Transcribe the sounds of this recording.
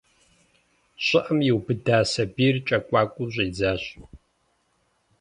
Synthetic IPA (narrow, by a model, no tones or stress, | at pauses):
ɕʼɪʔɐmjɪwbɨdaːsɐbiːrt͡ʃʼɐkʷʼaːkʷʼuʑʷʼeːd͡zaːɕʼʊ